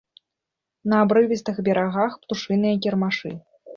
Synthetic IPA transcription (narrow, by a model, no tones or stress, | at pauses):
nɐːbɾɨvʲist̪ɨxbʲɛɾaɣaxpt̪uʂɨnɨjɐk̬ʲɛrmaʂɨ̰